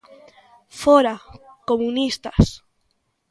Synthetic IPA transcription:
foɾa | komunist̪as

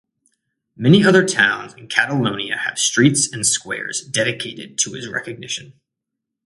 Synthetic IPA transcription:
mɛniʌðə˞tʰãʊ̃nzɨ̃n̩kʰæɾəlõʊ̃niɨ̰ɨ̰v̥stɹ̥itsɨ̃nskwɛ̰ɹzdɛɾɨkʰeɪɾɨ̰d̚tʰɨɨzɹɛ̰kɨɡ̚nɪʃɨ̃n

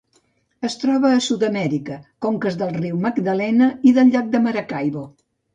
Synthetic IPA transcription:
əst̪ɾɔβ̞əːsut̪əmɛɾikəkoŋkəzðəlˠriwməɡd̪əlɛnəiðəʎʎak̚d̪əməɾəkajβo

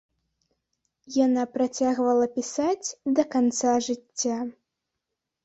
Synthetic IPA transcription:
janapɾat͡sʲaɣvɐlˠɐpʲisad͡zʲd̪ɐkant̪saʐɨt͡sʲːa

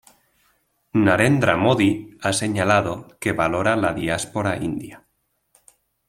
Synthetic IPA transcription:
naɾend̪ɾamoðiase̞ɲalaðokeβaloɾalaðiaspoɾaind̪ja

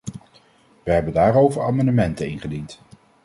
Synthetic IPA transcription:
ʋəɦɛbəndaːɾowvəɹaːmɑndəmɛntənɪnχədint

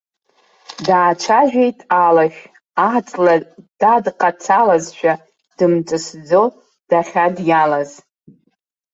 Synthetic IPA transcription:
daːt͡ʃʷʰaʒᶣejtʼalaʃʲᶣ | dat͡sʼlad̥adqʼat͡sʰalazʃᶣa | d̥ɨmt͡sʼɨsd͡zo | d̥aχʲadjalaz

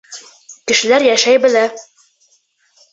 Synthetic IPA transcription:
kɘ̆ʃɘ̆læɾjæʃæjbɘ̆læ

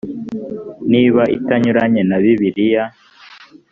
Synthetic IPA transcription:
niːβaʔitaɲuɾaɲenaβiβiɾija

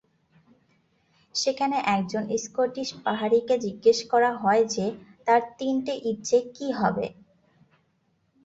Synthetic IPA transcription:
ʃekʰaneʔɛk̚d͡ʑoniskoɾʈiʃpaɦaɾiked͡ʑiɡːeʃkɔɾaɦɔed͡ʑet̪aɾt̪inʈiʔiʈt͡ɕekiɦɔbḛ

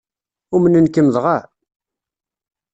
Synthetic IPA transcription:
ʊmənənkəməðˤʁa

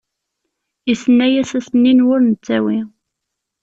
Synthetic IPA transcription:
isənːæjæsæsənːinwʊɾnət͡sːæwi

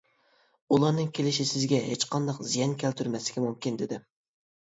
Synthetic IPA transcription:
ulˠɑnɨŋkʲʰelɪʃisɪzɡʲɛɦet͡ʃqʰɑnd̪ɑqzijɛnkʲʰælt̪ʰyɾmɛslɪ̥kʲimumkʲind̪ɪd̪ɪ

